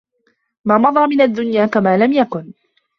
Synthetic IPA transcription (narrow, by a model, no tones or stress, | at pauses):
maːmɑðˤɑɾˤmɪnad̪ːʊnjaːkamaːlamjakʊn